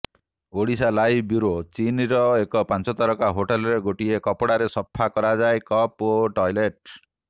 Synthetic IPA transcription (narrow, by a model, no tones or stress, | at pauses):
oɽisalajbuɾot͡ʃiniɾɔekɔpant͡ʃɔt̪ɔɾɔkaɦoʈelɔɾeɡoʈiekɔpɔɽaɾesɔpʰːakɔɾad͡ʒaekɔpoʈɔjleʈ̚